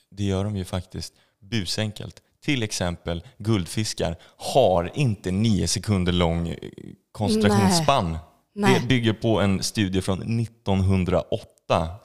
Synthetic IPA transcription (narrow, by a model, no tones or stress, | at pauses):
d̪ɛjœːɖɔmjɵfakt̪ɪskt̪ | bʉ̟ːsɛŋkə̰lt̪ʰːɪlɛksɛmpəlɡɵld̪fɪska̰ɾ | haɾɪnt̪əniːʊsɛkʰɵnd̪əɭɔŋː | kʰɔnst̪ɾaɧuːnspanː | d̪ɛbʏɡːəɾpʰɔɛnst̪ʉ̟ːd̪jəfɾɔnːɪt̪ːɔnɦɵnd̪ɾa̰ʔɔt̪ːa